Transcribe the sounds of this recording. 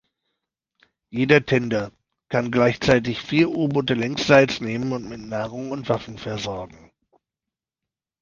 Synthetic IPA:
jeːdɐtʰɛndɐ | kʰanɡlaɪçt͡saɪt̬ɪçfiːɐʔuːbʊtəlɛŋstz̥aɪt͡sneːmənʊntmɪtnaːʁʊŋʊntv̥afn̩fɛɐzɔɐɡŋ̩

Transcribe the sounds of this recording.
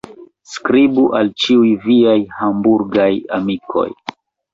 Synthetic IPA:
skɾibuʔalt͡ʃiujviajhambuɾɡaja̰mikʰo̞̰j

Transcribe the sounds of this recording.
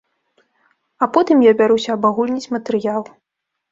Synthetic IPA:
ɐpɔt̪ɨmjabʲaɾusʲɐːbaɣulʲnʲit͡sʲmɐt̪ɨɾɨjalˠ

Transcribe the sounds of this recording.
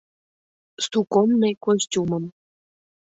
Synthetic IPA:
st̪ukonːekosʲtʲuməm

